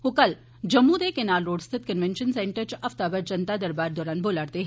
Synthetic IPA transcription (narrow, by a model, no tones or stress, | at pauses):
okɐl | d͡ʒɐmːud̪eːkenaːlɾoːɖst̪ʰɪt̪kənʋɛ̃nʃənsɛ̃ɳʈəɾt͡ʃɐft̪aːbəɾd͡ʒɐnt̪ad̪ɐɾbaːɾd̪ɔːɾaːnboːlaːɾt̪eɦ